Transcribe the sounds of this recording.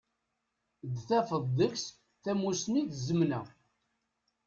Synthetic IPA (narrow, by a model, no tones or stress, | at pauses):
d̪θæfəðˤðəks | θæmusniθzəmnæ̰